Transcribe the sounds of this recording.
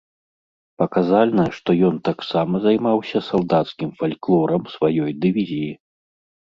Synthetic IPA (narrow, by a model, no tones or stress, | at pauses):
pɐkazalʲnɐʂt̪ɔjɔnt̪aksamɐzajmawsʲɐsalˠd̪at̪skʲimfalʲklˠɔɾɐmsvajɔjd̪ɨvʲizʲiji